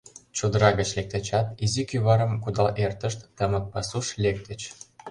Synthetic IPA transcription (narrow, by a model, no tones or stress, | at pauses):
t͡ɕud̪ɤɾɑɡə̆t͡ɕlʲek̚t̪et͡ɕɑt̪izikʲyβɑɾɤ̆mkud̪ɑlʔert̪ə̆ʃt̪ːɑmɤk̚pɑsuʃlʲek̚t̪ə̆t͡ɕ